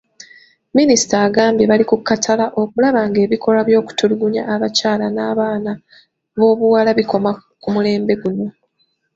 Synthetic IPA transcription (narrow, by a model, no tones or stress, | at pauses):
minisi̥taːɡaːmbje̞βalikukːatʰalaʔo̞kulaβaŋɡe̞ːβikʰo̞laβjo̞ːku̥tuluɡuɲa̰ːβacaːlanaːβaːna | βo̞ːβuwaːlaβiko̞makumule̞ːmbe̞ɡuno̞